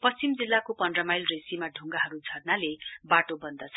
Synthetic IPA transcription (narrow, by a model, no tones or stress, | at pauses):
pʌst͡simd͡zilːakopʌɳɖrʌmajlresimaɖʱuŋɡaɦʌɾud͡zʱʌrnalebaʈobʌnd̪ʌt͡sʰʌ